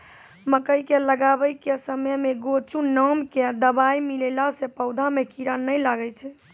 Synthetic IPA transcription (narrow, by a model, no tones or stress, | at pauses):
məkəjkeləɡabəjkesəməjmeɡot͡ʃunəmked̪əbajmilelasepəʊd̪ʱamekiɾanəjlaɡɛt͡ʃʰɛ